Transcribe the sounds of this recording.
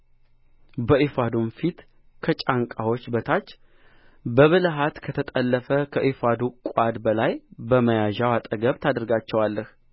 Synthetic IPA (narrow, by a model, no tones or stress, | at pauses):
bəʔifad̪umfit̪ | kʰət͡ʃʼaŋkʼawo̞t͡ʃːbət̪ʰat͡ʃː | bəβɨlɦat̪kʰət̪ʰət̪ʼəlːəfəkʰəʔifad̪ukʷʼad̪bəlajbəməjaʒawat̪ʼəɡəβt̪ʰad̪ɾɡat͡ʃːɛwalːəh